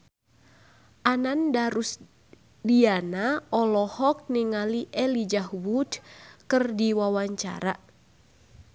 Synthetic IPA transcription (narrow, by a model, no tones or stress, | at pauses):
ʔanandaɾus | dianaɔlɔhɔk̚niŋaliʔɛlid͡ʒahwudkɨrdiwawaɲt͡ʃa̰ɾa